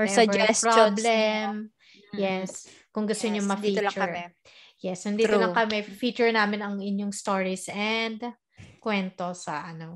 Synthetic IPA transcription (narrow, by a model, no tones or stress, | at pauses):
ɔɹɛɐd͡ʒɛɹoblɛm | jɛs | kʊŋɡʊst̪oɲoŋmɐfit͡ʃʊɐɹɛ | jɛsʊnd̪iolɐŋkɐmɛfiːt͡ʃʊɹnaːmɪnɐŋɪɲjoŋst̪oɹisʔɛnd̪ | kwɛnt̪o̞sɐʔɐno